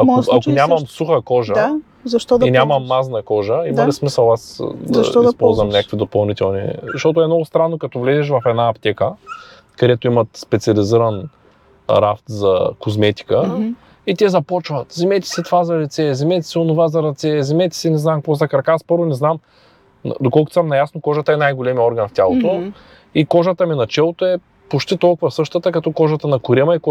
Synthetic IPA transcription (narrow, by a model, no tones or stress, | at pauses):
ɐmoakʊnʲamɐmsuxəkɔʒə | zɐʃt̪ɔd̪inʲamɐmːaznɐkɔʒəimɐlismisəlˠasd̪ɐʃɔispɔlˠzvɐmnʲakəkvid̪opɐlˠnit̪ɛlˠnḭzɐʃt̪ɔt̪̬ʊɛmnɔɡʊst̪ɾanːokɐt̪ɔvlɛzɛʃ̬vɐfɛd̪naːpt̪ɛkə | kɐd̪ɛt̪ʊimɐt̪spɛt̪siɐliziɾən | ɾaft̪zɐkozmɛt̪i̥kə | it̪ʲɛzɐpɔt͡ʃvɐt̪zɛmɛt̪i̥sɛt̪vazɐɾɛt̪sɛzɛmɛt̪ʲi̥sɛonʊvazɐɾɐt̪sɛzɛmɛt̪i̥sɛnɛznamkvɔzɐkɾɐkaspɤɾvʊnɛznam̰ | d̪okɔlˠkʊt̪samnɐjasnokɔʒət̪ɐɛnajɡolɛmiɔɾɡɐnft̪ʲjalˠot̪o | ikɔʒət̪əminɐt͡ʃɛlˠot̪oɛ | pot͡ʃt̪it̪ɔlˠkʊvɐfsɤʃt̪ət̪əkɐt̪ɔkɔʒət̪ənɐkʊɾʲimɐik